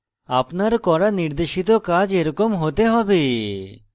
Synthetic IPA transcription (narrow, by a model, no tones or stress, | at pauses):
apnaɾkɔɾaniɾd̪eʃit̪okad͡ʒeɾɔkomɦot̪eɦɔbe